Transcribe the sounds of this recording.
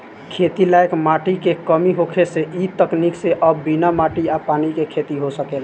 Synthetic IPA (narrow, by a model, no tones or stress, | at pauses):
kʰet̪ilaekmaʈikekəmiɦokʰeseʔit̪əknikseʔəbbinamaʈiapanikekʰet̪iɦosəkel